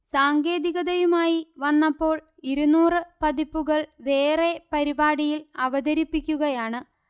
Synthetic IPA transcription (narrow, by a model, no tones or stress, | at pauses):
saːŋɡe̞ːd̪iɣɐðɐjumaːjiʋɐnːɐpːo̞ːɭ | iɾunuːrɨpɐd̪ipːuɣɐɭʋe̞ːre̞pɐɾibaːɽijilɐʋɐd̪ɐɾipːikʲːuɣɐjaːɳɨ